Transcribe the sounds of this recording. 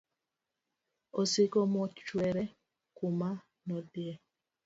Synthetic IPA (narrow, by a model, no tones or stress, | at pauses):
osɪkɔmɔt͡ʃwɛɾɛ | kʊma | nɔdjɛ